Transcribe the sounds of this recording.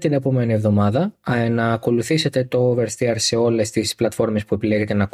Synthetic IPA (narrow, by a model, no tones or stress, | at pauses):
t̪ine̞pome̞nie̞vðo̞mɐðɐnɐːko̞luθiset̪e̞t̪o̞veɾst̪iɐɾseo̞lest̪isplɐt̪fo̞ɾme̞spue̞pileʝe̞t̪e̞nɐk